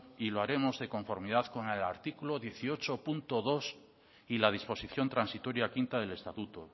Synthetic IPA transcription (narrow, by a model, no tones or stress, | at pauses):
iloaɾe̞mo̞zðe̞ko̞ɱfo̞ɾmið̞aðkoŋela̰ɾt̪ikuloðje̞θio̞t͡ʃopunt̪oðo̞s | ilað̞ispo̞siθjo̞nt̪ɾansit̪o̞ɾjakint̪aðe̞le̞st̪at̪ut̪o